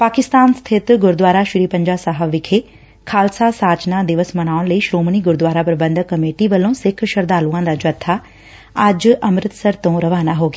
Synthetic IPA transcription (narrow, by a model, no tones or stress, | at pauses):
paːkɪst̪aːnst̪ʰɪt̪ɡʊɾd̪ʋaːɾaʃʊɾiːpɐ̃ɲd͡ʑaːsaɦəʋʋɪkʰe | kʰaːlsasaːt͡ʃnad̪ɪʋəsmɐñaːʋʊɽ̃ləiːʃɾoːmniɡʊɾd̪wʋaːɾapɐɾɐbɐ̃nd̪ʱkɐmeːʈiʋɐlõsɪkʰʃɐɾd̪aːluãːn̆d̪ad͡ʒɐt̪ʰːa | ad͡ʑɐmɾɪt̪sɐɾt̪õɾɐʋaːnaɦoːɡ